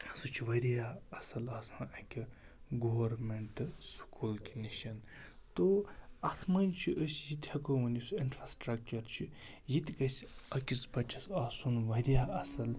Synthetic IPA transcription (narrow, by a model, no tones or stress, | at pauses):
sut͡ʃʰiʋɐɾijaːɐsɐlaːsɐnɐkʲi | ɡoʋɐɾmeɳʈskʰulkiniʃɐnt̪oɐt̪ʰmɐnʲt͡ʃʰiʔəsʲjit̪ʲhɐkoʋɐnisuinʈɾaːsʈɾɐk̚t͡ʃɐɾt͡ʃʰi | jit̪ʲʰkɐsʲɐkʲispɐt͡ʃʰɐsaːsunʋɐɾjaːʔɐsɐl